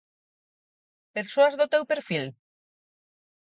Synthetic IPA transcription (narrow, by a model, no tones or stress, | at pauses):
peɾsoazðʊt̪ewpeɾfil